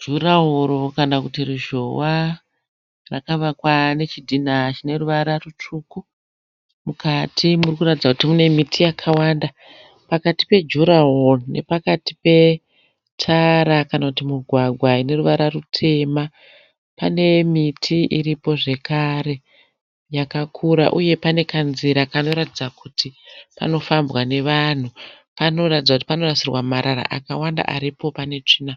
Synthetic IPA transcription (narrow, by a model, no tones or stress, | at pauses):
d͡ʒuɾaɦoɾokanakutiruʒo̞wa | rakaʋakwane̞t͡ʃidʱinat͡ʃine̞ɾuʋaɾarut͡ʂuːku | mukatʰimurikuratid͡zakutimune̞mitʰijakʰawanda | pakati̥pe̞d͡ʒuɾaɦorne̞̰pakati̥pe̞ | tʰaɾakanakutimuɡʱwaɡʱwaine̞ruʋaɾarutʰe̞ma | pane̞mitʰiiɾipo̞ʐe̞kaɾe̞ | jakakʰuɾa̰ʔuje̞pane̞kanziɾakano̞ɾatid͡zakutipa̰no̞fambwane̞ʋan̤upano̞ratid͡zakuti̥pano̞rasirwamaɾaɾa̰ʔa̰kawanda̰ʔa̰ɾipo̞pane̞t͡ʂiːna